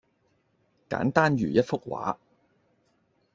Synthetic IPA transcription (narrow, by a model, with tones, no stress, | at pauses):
ka̰ː˨˥nt̪aː˥nɥyː˨˩jɐ˥t̚fʊ˥k̚wa̰ː˨˥